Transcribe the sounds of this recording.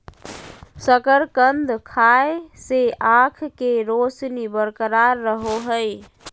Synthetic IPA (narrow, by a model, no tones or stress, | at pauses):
səkəɾkənd̪ʱkʰaeseakʰkeɾosnibəɾkəɾaɾːəɦoɦəj